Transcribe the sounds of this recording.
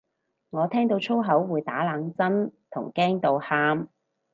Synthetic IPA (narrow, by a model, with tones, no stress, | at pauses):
ŋɔː˨˧t̪ʰɛː˥ŋt̪o˧wt͡ʃʰo˥wɦɐ˨˥wːuː˨˧jt̪aː˨˥laː˨˧ŋt͡sɐ˥nt̪ʰʊ̰˨˩ŋkɛː˥ŋt̪o˨˧whaː˥m